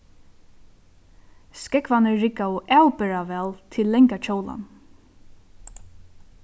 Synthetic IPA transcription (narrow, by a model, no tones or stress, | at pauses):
skɛkʋanəːɪkːaɔʔɛːwpɛɹaʋɛːlt̪ʰɪlːɛŋkat͡ʃʰowla̰n